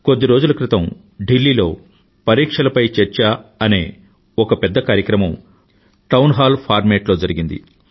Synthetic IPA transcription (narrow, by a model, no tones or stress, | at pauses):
kod̪ːiɾo̞ːd͡ʒulɐkɾit̪ɐm | ɖilːiːlo̞̰ː | pɐɾiːkʂɐlɐpɐjt͡ʃɛɾt͡ʃaːɐne̞ː | ɔkɐpɛd̪ːɐkaːɾjɐkɾɐmɐm | ʈɐwnɦaːlpʰaːɾmeːʈlo̞ːd͡ʒɐɾiɡind̪ḭ